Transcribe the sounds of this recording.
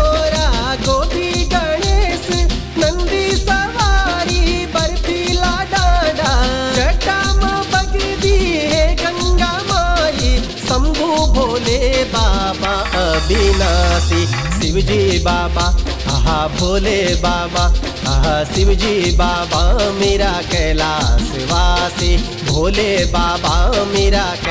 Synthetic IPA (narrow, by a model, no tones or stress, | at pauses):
oɾaːkob̪iɡɐɳeːsɨ | nɐnd̪isɐʋaːɾibɐɾt̪ilaːɖaɖaːd͡ʒɐʈaːmɐbɐɡɾd̪iɦeɡɐ̃ŋɡaːmaːji | sɐmɡ̪ʱubʱoːlebaːbaɐbʱinaːsisɪʋd͡ʒibaːbaː | ɐɦabʱoːlebaːba | ɐɦasɪʋd͡ʒibaːbameːɾaːkɛːlaːsɪʋaːsi | bʱoːlebaːbameːɾaːk